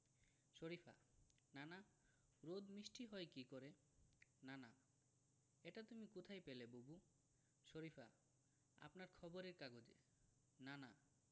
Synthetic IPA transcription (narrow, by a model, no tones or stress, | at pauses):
ʃoɾifʰa̰ | nana | ɾod̪mɾiʃʈʰiɦɔekikoɾe | nana | eʈat̪umikot̪ʰajpelebobu | ʃoɾifʰa̰ | a̰pnaɾkʰɔboɾeɾkaɡod͡ʑḛ | nana